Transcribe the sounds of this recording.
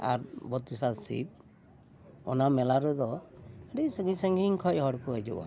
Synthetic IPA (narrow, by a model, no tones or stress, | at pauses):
a̰ɾbɔt̪̚isalsḭp̚ | ɔ̰namɛlaɾɔd̪ɔəɖisəŋɡisəŋɡiŋkʰɔc̚ɦɔɽkʰɔed͡ʒṵʔa̰